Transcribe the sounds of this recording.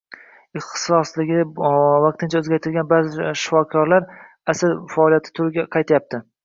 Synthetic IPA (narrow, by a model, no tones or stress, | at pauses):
ɪχt̪sɒslɪɡʲɪvɑq̚t̪ʰɪnt͡ʃʰaɵzɡʲaɾt̪ʰɪlɡʲanbaɾzɪʃɪ̥fɒkʰɒɾlaɾ | asɪɾfaɒlijat̪ʰɪ̥t̪ʰʊɾɪɡʲaqʰɑjt̪ʰajap̚t̪ʰɪ